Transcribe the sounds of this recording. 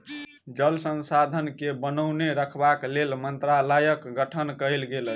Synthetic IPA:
d͡ʒəlsənsad̪ʱənkebənəwneɾəkʰbaklelmənt̪ɾaləjəkɡəʈʰənkəjlɡelə

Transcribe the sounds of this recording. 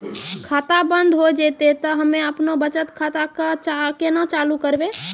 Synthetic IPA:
kʰat̪abənd̪ʱɦod͡ʒet̪et̪ɔɦəmeəpnobət͡ʃət̪kʰat̪akat͡ʃakenət͡ʃalukəɾbe

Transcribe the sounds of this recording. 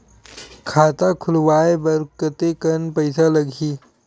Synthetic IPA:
kʰaːt̪akʰulʋaːebəɾkət̪ekənpəjsaləɡʱiː

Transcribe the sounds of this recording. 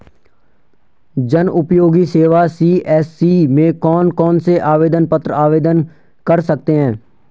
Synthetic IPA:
d͡ʒənʔʊpjoːɡiseːʋasiːɛːsːiːmẽkɔːnkɔːnseʔaːʋeːd̪ənpət̪ɾəaːʋeːd̪ən | kəɾsək̚t̪eɦɛ̃ː

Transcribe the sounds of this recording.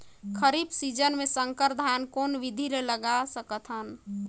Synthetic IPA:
kʰəɾibsid͡ʒənmesəŋkəɾd̪ʱankonʋid̪ʱiɾeləɡasəkət̪ʰɦən

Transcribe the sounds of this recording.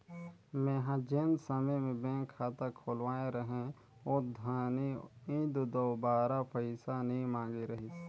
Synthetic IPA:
mẽːɦãd͡ʒeːnsəməjmẽbɛ̃ːŋkʰːaːt̪akʰoːlwaːẽɾəɦẽ | od̪ʱəniĩːd̪d̪oːbaːɾapəɪsanɐɦĩmãːŋɡeɾəɦis

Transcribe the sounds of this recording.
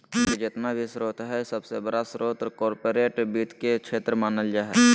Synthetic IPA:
ed͡ʒet̪nabʱisɾoːt̪ɦɛsəbsebəɽasɾoːt̪ɾkɔːɾpoːɾeːʈbiːt̪kekt͡ʃʰeːt̪ɾəmaːnəld͡ʒaɦɛ

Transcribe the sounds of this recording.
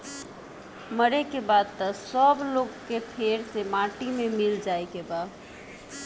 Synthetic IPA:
məɾekebad̪̚t̪əsəbloɡkepʰeɾsemaʈimemild͡ʒajkeba

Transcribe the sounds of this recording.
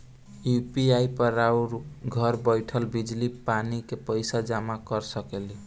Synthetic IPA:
jupiajpəɾawɾɡʱʌɾbəjʈʰəlbid͡ʒlipanikepəjsad͡ʒamakəɾsəkeli

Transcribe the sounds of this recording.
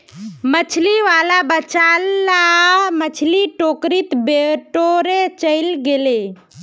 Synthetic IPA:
mət͡ʃʰliʋalabət͡ʃalːamət͡ʃʰliʈokɾit̪beʈoɾet͡ʃəɪlɡele

